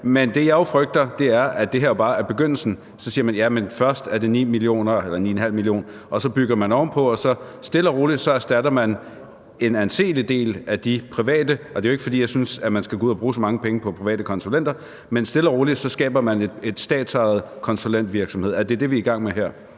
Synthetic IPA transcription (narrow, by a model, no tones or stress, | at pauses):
mend̥e̝jɑ̈o̝fʁœɡ̥̚d̥ɐd̥e̝æɐæd̥e̝ɦeɐ̰ob̥ɑ̈ːæɐb̥e̝ɡ̥øn̰l̩sn̩ | sɒ̽sḭːɐmænjæmenfɶɐsd̥æɐde̝nḭːmilio̝̰ːnɐelɐnḭːenɦæl̰milio̝̰ːn | ʔɒ̽sɒ̽b̥yɡ̥ɐmænɒmpʰɒ̽ɒ̽sɒ̽ | sd̥e̝lɐʁo̝ːlisɒ̽æɐsd̥æɾɐmæn | e̝nænse̝̰ːlid̥e̝̰ːlæd̥ipʰʁiʋɛ̰ːd̥əʔɒ̽d̥e̝joe̝ɡ̥ə̥fɒdḭːjɑɪsynsæmænsɡ̥æɡ̥o̰uð̩̰ˠɐbʁuːsɒ̽mɑ̈ŋəpʰeŋəpʰɒ̽pʰʁiʋɛ̰ːd̥əkʰɒ̽nsulen̰d̥ɐ | mensd̥e̝lɐʁo̝ːlisɒ̽sɡ̥ɛ̰ːb̥ɐmæne̥e̝d̥sd̥ɛ̰ːd̥sɑ̈ð̞̩ˠkʰɒ̽nsulen̰d̥ʋiɐɡ̥sɒmhe̝ð̞̰ˠæd̥e̝d̥e̝ʋiiɡ̥ɑ̈ŋ̰meɦæɐ̰